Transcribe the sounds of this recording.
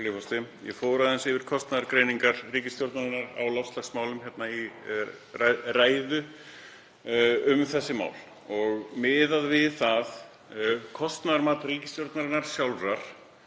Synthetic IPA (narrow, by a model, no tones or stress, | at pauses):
lɪfɔst̪ɪjɛ̰foːwɾaðɛnsɪvɪɾ̥kʰɔst̪naðaɾkɾeːjniŋkaɾriːcɪst̪jowɾt̪naɾɪnːaɾa̰wlawst̪laxsmaːwlʏmçɛt̪nai | raraːjðʏ | ʏmθɛsːɪma̰ːwl | ɔɣmɪːðaðvɪðθað | kʰɔst̪naðaɾmaːt̪riːcɪst̪jowɾt̪naɾɪnːaɾ̥sjawlraɾ̥